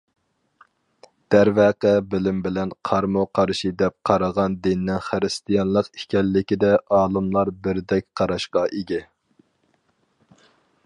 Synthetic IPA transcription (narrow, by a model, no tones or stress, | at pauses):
d̪̥æɾvæqəbɪlɪmbɪlɛnqʰɑɾmoqʰɑɾʃid̪ɛp̚qʰɑɾɑʁɑnd̪ɪnnɪŋχɨɾɨst̪ʰijɑnlˠəqi̥kʲɛlːɪkʲid̪ɛʔɑːlˠɨmlˠɑɾbɪɾd̪ɛkʲqʰɑɾɑʃqɑʔeɡʲɛ